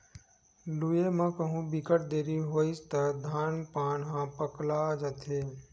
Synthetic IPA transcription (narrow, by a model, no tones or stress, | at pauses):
luːjemãkəɦũbɪkəʈ̚d̪eːɾiɦoːɪst̪əd̪ʱaːnpaːnɦãːpəklad͡ʒət̪ʰeː